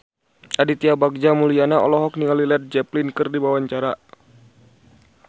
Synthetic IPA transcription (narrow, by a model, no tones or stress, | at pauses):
ʔadit̪iabaɡ̚d͡ʒamulianaɔlɔɦɔk̚nialilɛt̪̚d͡ʒɛplinkɨrdibawaɲt͡ʃaɾa